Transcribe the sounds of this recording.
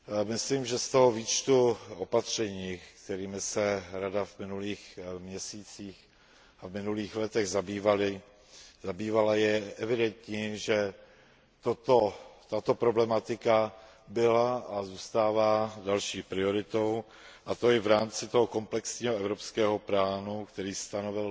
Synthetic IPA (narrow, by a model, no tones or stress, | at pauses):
mɪsliːmʒɛst̪o̞ɦoviːt͡ʃt̪uʔopat̪r̝̥ɛɲiːkt̪ɛɾiːmɪsɛɾadavmɪnuliːxmɲɛsiːt͡siːx | avmɪnuliːxlɛt̪ɛɣzabiːvalɪ | zabiːvalajɛʔɛvɪdɛnt̪ɲɪʒɛ | t̪ot̪ot̪at̪o̞pɾo̞blɛmat̪ɪka | bɪlaazuːst̪aːvaːdalʃiːpɾɪo̞ɾɪt̪o̞w | ʔat̪o̞ɪvɾaːmt͡sɪt̪o̞ɦoko̞mplɛksɲiːɦoɛvɾo̞pskɛːɦo̞pɾaːnukt̪ɛɾiːst̪anovɪl